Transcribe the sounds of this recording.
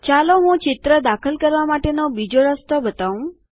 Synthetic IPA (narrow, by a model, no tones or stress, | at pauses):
t͡ʃaloɦũt͡ʃɪt̪ɾəd̪akʰəlkəɾʋamaʈenobid͡ʒoɾəst̪obət̪aũ